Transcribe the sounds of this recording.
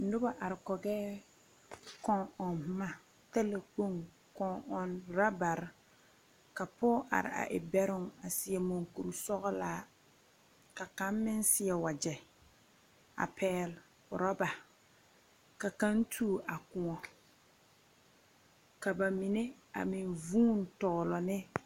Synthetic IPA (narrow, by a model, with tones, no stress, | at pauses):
n̩˨˦dʊ˦ba˨ʔa˨ɾɪ˨kɔ˨ɡɛː˦ | kɔ˦ŋɔ˨n˦ma˨ | ta˦la˨ko˦ŋ | kɔ˨ŋɔ˨nɾa˦ba˨ɾɪ˦ | ka˨pɔː˦ʔa̰˨ɾɪ̰˨a̰˨ʔɪ̰˨bɛ˦ɾʊ˦ŋa˨sɪ˨ɛ˨mo˨ŋku˨ɾu˨sɔ˦ɣɔ˦laː˦ | ka˨ka˦mːɪ˦nsɪ˦ɛ˨wa˨d͡ʒɛ˨ | a̰˨pʰɛː˦l | pʊ̰˨ɾa˦ba˨ | ka˨ka˦ntʰuː˦˨a˨kʊ˨ŋɔ˨ | ka˨ba˨mi˨ne˦ | a̰˨mɪ˨nvuː˦˨n˦tɔ˨ɣlɔ˨nɪ˦